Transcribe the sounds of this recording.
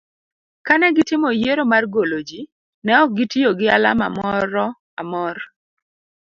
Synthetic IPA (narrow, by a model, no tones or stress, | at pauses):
kanɛɡɪtɪmojeɾomarɡolod͡ʒi | nɛɔk̚ɡɪtioɡɪa̰la̰ma̰mɔɾɔ | amɔr